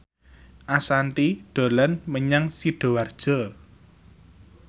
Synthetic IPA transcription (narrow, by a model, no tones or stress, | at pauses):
ʔasant̪iɖ̪̥o̤lanməɲaŋsiɖ̥o̤ward̥ʒ̥ɔ̤